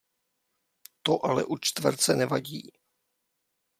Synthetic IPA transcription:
t̪oʔalɛ̰ʔut͡ʃt̪vr̩t͡sɛnɛvaɟiː

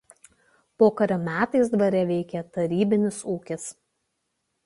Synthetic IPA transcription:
poːkɐɾʲɐmʲæːt̪ɐɪsd̪ʋɐɾʲɛʋʲɛɪkʲɛt̪ɐɾʲiːbʲɪnʲɪsuːkʲɪs

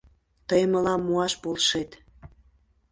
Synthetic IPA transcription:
t̪əjməlɑmːuɑʃpolʃet̪

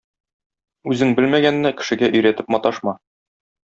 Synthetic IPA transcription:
ʉzɘŋbɘlmæɡænːækɘ̆ʃɘ̆ɡæʔɵ̆jɾæt̪ɘpmɒt̪ɑʃmɑ

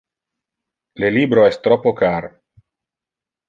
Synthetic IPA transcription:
leliːbɾoɛst̪ɾɔpːokaɾ

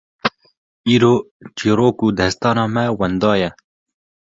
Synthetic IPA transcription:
iːɾoː | t͡ʃiːɾoːkuːd̪ɛst̪ɑːnɑːmɛwɛnd̪ɑːjɛ

